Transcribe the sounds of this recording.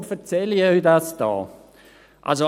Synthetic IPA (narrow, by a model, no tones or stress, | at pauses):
fɛʁt͡sɛliœidasd̥ɔ̰ː | ʔa̰lzo